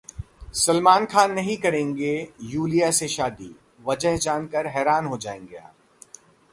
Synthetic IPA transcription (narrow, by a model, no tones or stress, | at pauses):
sɐlmaːnxʰaːnːɐɦĩkɐɾẽːŋɡejuːlijaseʃaːd̪ḭ | ʋɐd͡ʒəɦd͡ʒaːnkəɾɦɛːɾaːnɦod͡ʒa̰ːḛ̃ːŋɡea̰ː